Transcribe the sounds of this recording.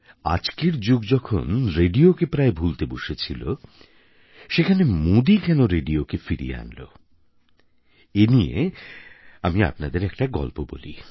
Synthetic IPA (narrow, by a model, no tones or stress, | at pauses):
a̰d͡ʑkeɾd͡ʑoɡd͡ʑɔkʰo̰nɾeɖiokepɾaebʱult̪eboʃet͡ɕʰilo̰ | ʃekʰanemod̪ikɛnoɾeɖiokefiɾḭjḛa̰nlo̰ | eniḛ | amia̰pnad̪eɾɛk̚ʈaɡɔ̰lpobo̰lḭ